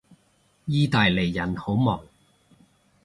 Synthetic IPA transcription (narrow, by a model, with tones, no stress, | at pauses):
jiː˥t̪aː˨jle˨˩jːɐ˨˩nho˨˥wmɔː˨˩ŋ